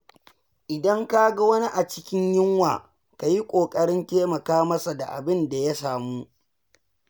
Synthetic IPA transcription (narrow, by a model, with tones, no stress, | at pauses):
ʔɪ˨dɐ˦ŋka˦ɡa˦wɐ˦ni˦ʔa˨t͡ʃɪ˦kʲɪ˦ɲjɪ˦ŋwa̰ː˨ | ka˨ji˦kʷʼoː˨kʼɐ˦ɽɪ˦nteː˦mɐ˨kaː˦mɐ˦sa˨da̰˨ʔa̰˨bɪ˦nda˨ja˦saː˨muː˦